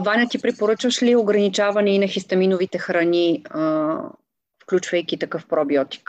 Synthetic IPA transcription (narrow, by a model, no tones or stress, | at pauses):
vanʲɐt̪ipɾipoɾɤt͡ʃvəʃlioɡɾɐnit͡ʃavɐnɛinɐxist̪ɐminovit̪ɛxɾɐni | fklʲut͡ʃvɐjkʲit̪ɐkɤfpɾɔbiɔt̪i̥k